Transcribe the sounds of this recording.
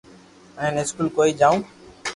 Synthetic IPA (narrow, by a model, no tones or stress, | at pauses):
ə̃nɪskuːlkoːiːd͡ʒaːũː